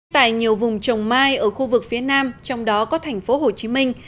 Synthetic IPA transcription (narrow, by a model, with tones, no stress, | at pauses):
t̪a̰ː˧˨jɲi˨˩əwvʊ˨˩ŋ͡mt͡ɕə˨˩wŋ͡mmaː˧jʔəː˧˩xu˧vɨ˨˩k̚fi˨˦ənaː˧mt͡ɕɔ˧wŋ͡mɗɔ˨˦kɔ˨˦t̪ʰɛ˨˩jŋ̟fo˨˦ɦo˨˩t͡ɕi˨˦mï˧ŋ̟